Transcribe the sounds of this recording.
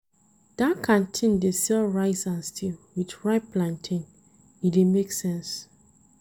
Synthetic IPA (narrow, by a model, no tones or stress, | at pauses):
d̥akʰãntʰĩndesɛlɹaɪsãnstʰilwitɹaɪplãntʰĩn | idemeksɛ̃ns